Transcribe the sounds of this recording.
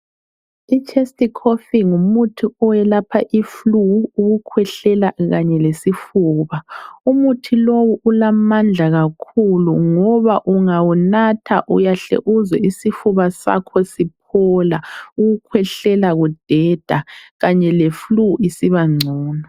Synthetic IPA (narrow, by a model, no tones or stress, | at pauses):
it͡ʃʰʼestʼikʰofiŋumutʰiɔjɛlapʰaʔifluːɣukʰwɛɬɛlaɣaɲɛlesifuːβaumutʰilowuʔulamand͡ɮʱaɣakʰuluŋɔβaʔuŋawunatʰa̰ʔujaɬɛ̰ʔuzɛisifuβasa̰kʰɔsip̚ʰɔlauɣukʰwɛɬɛlaɣud̥ʱɛd̥ʱaɣaɲɛlefluisiβaŋ͡ǀʱuːnɔ